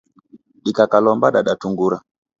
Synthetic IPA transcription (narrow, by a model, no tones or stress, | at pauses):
ɗikakalɔmbaɗaɗatuŋɡuɾa